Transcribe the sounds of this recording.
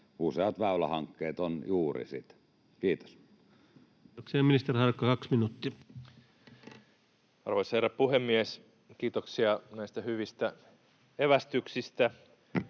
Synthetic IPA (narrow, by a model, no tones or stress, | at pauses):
useɑt̪ʋæˑylæ̰hɑŋkːeːt̪onjuːrḭsḭt̪ | kiːt̪o̥s | oksiɑminist̪erhɑrkːɑkɑksminut̪ːi | ɑ̰rʋoisherːæppuhemːies | kiːt̪oksiɑnæist̪æhyʋist̪æ | eʋæst̪yksist̪æ